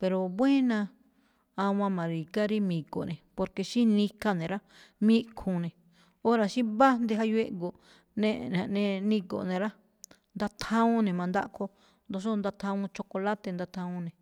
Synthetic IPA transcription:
pe˨ɾo˨βwẽ˦nã˧ | a˧wã˧mã˨ɾi˨ɡa˦ɾi˦mĩ˨ɡo̰˨nẽ˨po˧ɾke˧ʃĩ˦nĩ˧ka˦nẽ˨ɾa˦ | mĩ˦kʰũ˨nẽ˨ | o˦ɾa˨ʃĩ˦βa˦nd̪e˧ɦa˧jwe˦ʔɡo˨ | nẽ˦˧ʔnã˨nẽ˧nĩ˧ɡo̰˨nẽ˨˧ɾa˦ | nd̪a˧t̪ʰã˦ũ˦nẽ˨mã˧nd̪a̰˦ʔkʰo˧ | nd̪o˧s̬o˦nd̪a˧t̪ʰã˧ũ˧t͡ʃo˧ko˧la˦t̪e˧nd̪a˧t̪hã˧ũ˧nẽ˨

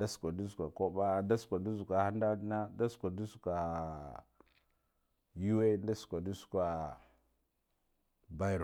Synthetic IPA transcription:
da˦su̥˨kʷa˨du˦zu˨kʷa˨ko˦ba˦˨nda˦su̥˨kʷa˨du˦zu˨kʷa˨ha˦nda˦dna˦da˦su̥˨kʷa˨du˦su̥˨kʷa˨ | ju˦we˦nda˦su̥˨kʷa˨du˦su̥˨kʷa˨ | ba˦jɾo˨

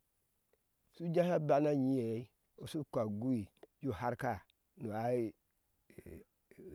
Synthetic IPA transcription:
su˦d͡ʒa˦ha˦ba˦na˦ɲi˦je˨˦i˦ | u˨su˦kʷa˨ɡu˦i˨d͡ʒu˦˨ha˦ɾka˦˨ | nu˨a˨˦˨

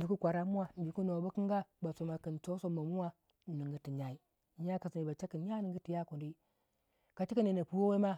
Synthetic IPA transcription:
du˨ku˦kʷa˨ɾa˦mu˦wa˨n˨di˨ku˦no˨ba˦ki˦ŋɡa˦ba˨so˨ma˨kə˨nt͡ʃo˦so˦ma˨mu˦wa˦˨ | ni˨ŋɡə˨ti˨ɲa˨i˦˨ | ɲa˦ka˨si˨ni˨ba˨t͡ʃa˦kə˨nɲa˦nə˨ŋɡə˦ti˨ja˦ko˨ndi˦ | ka˨t͡ʃi˦ki˦ne˨na˨pu˨wo˦we˦ma˦

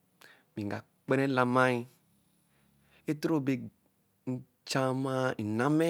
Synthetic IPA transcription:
mĩ˨ŋ˨ɡa˨ | k͡pɛ˦nɛ̃˦la˨mã˦i˧ | e˦tɾo˦˨be˨ | n̩˦ | t͡ʃã˦mã˦i˨nã˦mɛ˦

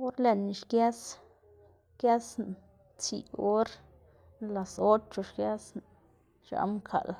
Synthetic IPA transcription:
o˦ɾle˨n˨ʃkja˦s | kja˦sn | t͡sḭ˨o˦ɾ | nla˨so˦t͡ʃo˧ʃkja˦sn | ʃa̰˧˦mkʰa̰˨l

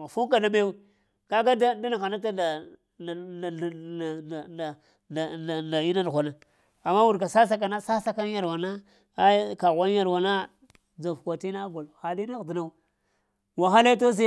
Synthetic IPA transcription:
a˨fu˦ka˨da˦me˦wi˦ | ka˦ɡa˦da˦da˦na˨ɣa˨na˦ta˦da˨ | a˨ | na˨ | a˨na˨i˦na˦nʷ˨a˨na˨ | a˨mːa˦wu˨ɾka˨sa˦s̬a˦k̬a˨na˦sa˦sa˦ka˦ja˨ɾwa˨na˦ | ka˨ɣʷa˦n˦a˦˨ɾwa˨na˦ | d͡za˨fkʷa˨ti˦na˦ɡo˨lxa˨li˦na˦ɣdi˨na˦ | wa˨xa˦la˦t̬o˦s̬i˦

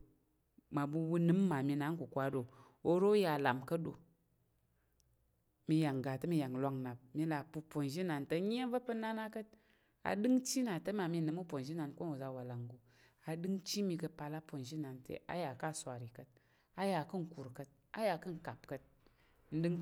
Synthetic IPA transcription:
ma˨bu˧wu˧nɨ˦mː˦a˨mi˧na˨˦ŋ˦ku˨kʷa˨˦do˨ | o˧ɾo˦ja˨la˨mkə˦do̰˨ | mi˧ja˨ŋɡa˨tə˦mi˧ja˨ŋlʷa˧ŋna˨p̚mi˧la˨pu˧po˨nʒi˦na˨ntə˧ɲ˦e˦və˦pə˦na˦na˦kə˦t̚ | a̰˨dɨ˦ŋt͡ʃi˦na˨tə˦ma˨mi˧nɨ˨mu˦po˨n˨ʒi˦na˨nko˦nu˨za˧wa˨la˨ŋɡu˨ | a˨dɨ˦ŋt͡ʃi˦mi˧kə˧pa˧la˦po˨nʒi˦na˨ntḛ˨ʔa̰˦ja˨ka˦˨sʷa˨ɾi˨kə˨t̚ | a˦ja˨kɨ˦ŋ̩˨ku˨ɾkə˧t̚ | a̰˦ja˧kɨ˦ŋ̩˨ka˨pkə˧t̚ | n̩˦dɨ˦ŋ

